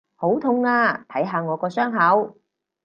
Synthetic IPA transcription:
ho˨˥wt̪ʰʊ˧ŋaː˧t̪ʰɐ˨˥jɦaː˨˧ŋɔː˨˧kɔː˧sœː˥ŋɦɐ˨˥w

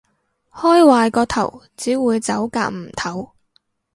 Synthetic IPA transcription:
hɔː˥jwaː˧jkɔː˧t̪ʰɐ̰˨˩wt͡siː˨˥wuː˨˧jt͡sɐ˨˥wka̰ː˧k̚m̩˨˩t̪ʰɐ˨˥w

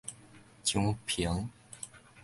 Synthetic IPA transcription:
t͡ɕju˥ŋpʰi˨˧˩ŋ

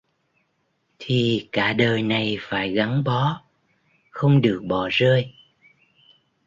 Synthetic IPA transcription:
t̪ʰi˨˩kaː˧˩ɗəː˨˩jna˨˩jfaː˧˩jɣa˨˦ŋɓɔ˨˦ | xə˧wŋ͡mɗɨ˨˩ək̚ɓɔ˧˩zəː˧j

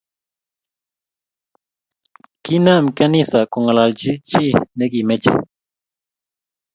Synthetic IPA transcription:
ki˦na˦˨mka˦ni˦sa˨ko˨ŋa˨la˨ld͡ʒi˦t͡ʃi˦ne˦ɡi˨me˦t͡ʃḛ˨

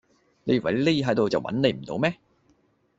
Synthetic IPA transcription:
ne˨˧jy˨˩wɐ˨˩le˥ji˧ɦɐ˨˥jt̪o˨wt͡sɐ˨wɐ̰˨˥nne˨˧jm̩˨˩t̪o̰˨˧˥wmɛː˥

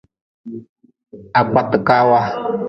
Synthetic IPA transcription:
a˨k͡pa˨t̪ɨ˨ka˦wa˦

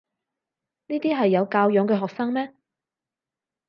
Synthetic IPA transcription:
niː˥t̪iː˥ɦɐ˨jːɐ˨˧wkaː˧wjœː˨˧ŋkɛ˧ɦɔː˨k̚sɐ˥ŋmɛː˥

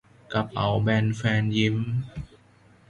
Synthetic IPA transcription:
ka˨˩p̚ʔa˨˩wbɛː˧nfɛː˧nji˧˥m

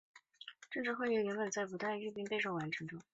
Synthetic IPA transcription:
ʈ͡ʂɤ˥˧ŋʈ͡ʂɻ̩˥˧xwe˥˧y˥˩i˧˥ŋlwə˨˩nt͡sa˥˩ɪp̬u˧˥t̪a˥˧ɻy˥˧pi˥ŋpe˥˧ɪʂo˥˩wa˧˥nʈ͡ʂʰɤ˧˥ŋʈ͡ʂʊ˥ŋ

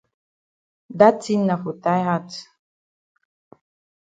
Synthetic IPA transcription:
d̪a˦t͡sinːa˨xut̪a˦jhat͡s

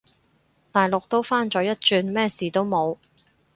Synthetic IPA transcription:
t̪aː˨jlʊ˨k̚t̪o˥wfaː˥nt͡ʃɔː˨˥jɐ˥t̚t͡ʃyː˧nmɛː˥siː˨t̪o˥wmo˨˧w

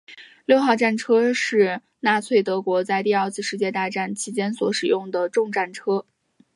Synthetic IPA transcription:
ljo˥˧ʊxɑ˥˧ʊʈ͡ʂa˥˩nʈ͡ʂʰɤ˥ʂɻ̩˥˧ | na˥˧t͡sʰwe˥˩ɪt̪ɤ˧˥kwɔ˧˥t͡sa˥˧ɪt̪i˥˧ɐ˞˥˧t͡sʰɹ̩˥˧ʂɻ̩˥˧t͡ɕjɛ˥˧t̪a˥˧ʈ͡ʂa˥˩nt͡ɕʰi˧˥t͡ɕjɛ˥nswɔ˧˥ʂɻ̩˨˩jʊ˥˩ŋd̪ə˩ʈ͡ʂʊ˥˧ŋʈ͡ʂa˥˩nʈ͡ʂʰɤ˥

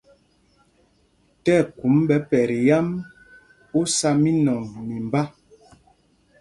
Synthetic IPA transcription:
tɛ˦˨ku˨˦mbɛ˨˦pɛ˨ɾi˨ja˦m | u˦sa˦mi˦nɔ˨ŋmi˨m˨ba˦

